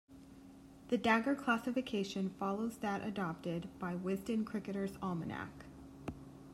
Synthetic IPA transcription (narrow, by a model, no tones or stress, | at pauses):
ðɨdæɡə˞kʰl̥æsɨfɨkʰeɪʃɨ̃nfɑlˠoʊzðɨɾʔɨ̰dɑp̚tɪd̚b̥aɪwɪzdɨ̃nkʰɹ̥ɪkɨɾə˞zɑlˠmɨnæ̰k